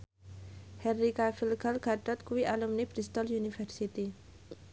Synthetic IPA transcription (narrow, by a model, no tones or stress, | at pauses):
hɛnːikafilɡalɡaʈɔt̪̚kuwiʔalumnib̥ɾist̪ɔljunifəɾsit̪i